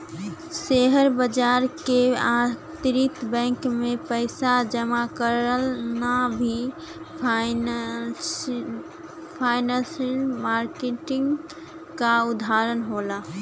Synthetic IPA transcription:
seɦəɾbəd͡ʒaɾkeat̪ɾit̪bɛ̃ŋkmepəɪsad͡ʒəmakəɾəlnabʱi | pʰaɪnasilmaɾkeʈiŋɡ | kaud̪ʱaɾənɦola

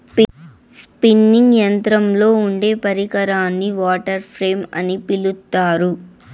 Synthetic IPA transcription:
spinːiŋɡjɐnt̪ɾɐmlo̞ːuɳɖe̞ːpɐɾikɐɾaːnːiʋaːʈɐɾpʰɾe̞ːmɐ̰nipilut̪ːaːɾu

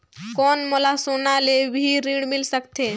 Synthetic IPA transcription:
kɔːnmolasoːnalebʱiɾĩːɽmɪlsəkt̪eː

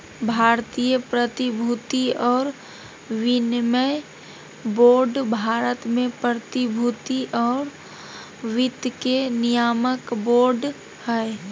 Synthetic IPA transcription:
bʱaːɾt̪ijəpɾət̪ibʱut̪iɔːɾ | ʋɪnməj | boːɾɖbʱaːɾət̪mẽpɾət̪ibʱut̪iʔɔːɾ | ʋɪd̪kenɪjaːməkboːɾɖ | hɛ

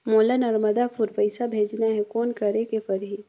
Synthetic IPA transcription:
moːlanɐɾməd̪apʰʊɾpɐɪsabʱeːd͡ʒnaɦɛkɔːnkɐɾekepɐɾɦi

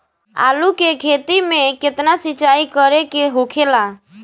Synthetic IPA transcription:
a̰ːlukekʰet̪imẽkɪt̪nasɪt͡ʃaːikəɾekeɦokʰela

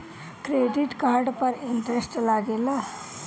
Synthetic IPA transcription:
kɾeːɖɪʈkaːɾɖpəɾɪnʈɾest͡ʃəlaːɡeːlaː

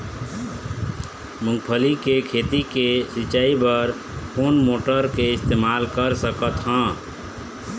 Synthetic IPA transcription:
mũŋɡpʰəlikekʰet̪ikesit͡ʃaibəɾ | pʰonmoʈəɾkeɪst̪emalkəɾsəkət̪ɦə̃

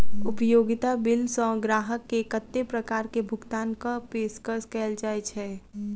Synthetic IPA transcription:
ʊpjoːɡɪt̪abɪlsɔ̃ɡɾaːɦəkːekət̪ːepɾəkaːɾkebʱʊɡt̪aːnkapeːskəɾskɛːld͡ʒaːet͡ʃʰɛː

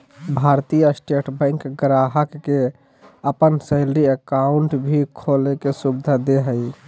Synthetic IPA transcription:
bʱaɾt̪ijasʈeʈʰbə̃ɪŋkɡɾaɦəkːe | əpənsəɪlɾiəkaʊɳʈbʱikʰolekesubd̪ʱad̪eɦəj

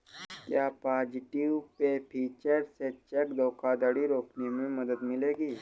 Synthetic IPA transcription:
kjaːpaːd͡ʒiʈiʋpepʰiːt͡ʃəɾset͡ʃekd̪ɔkad̪əɽiɾoːknemẽmɐd̪əd̪mɪleːɡiː

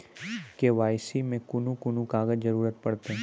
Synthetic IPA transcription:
keʋaːjsimẽkʊnũkʊnũkaːɡəd͡ʒzɐɾuːɾət̪pɐɽt̪eɦɛ̃

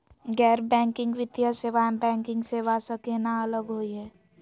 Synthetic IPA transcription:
ɡɛːɾbɛ̃ːŋkɪ̃ŋɡʋɪt̪jaseʋaːmbɛ̃ːŋkɪ̃ŋɡseʋaːsəkenaɐləɡɦoiɦɛː

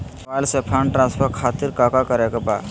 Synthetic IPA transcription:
aːlsepʰaːnʈɾãnspʰəɾkʰaːt̪iɾkaːkakəɾekeba̰ː

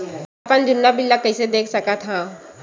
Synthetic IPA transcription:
apənd͡ʒʊnːabɪlːakəɪsed̪eːkʰsɐkat̪ʰaː

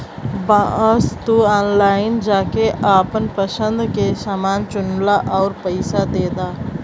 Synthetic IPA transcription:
bãəst̪uaːnlaːɪnd͡ʒaːkeʔaːpənpəʃə̃nd̪kesaːmaːnt͡ʃʊnlaʔɔːɾpəɪsad̪eːd̪aː

